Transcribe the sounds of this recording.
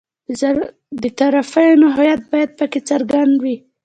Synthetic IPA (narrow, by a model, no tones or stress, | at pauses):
d̪ət̪aɾafajonaɦɑjat̪̚bɑjad̪̚pəket͡saɾɡand̪wi